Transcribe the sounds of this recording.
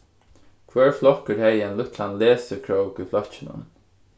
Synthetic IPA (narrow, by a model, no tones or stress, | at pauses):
kʰvɛːɹflɔkəɹhɛjɛnlʊt̪ʰlanleːsəkʰɹoʊkiflœt͡ʃɪnʊ̰n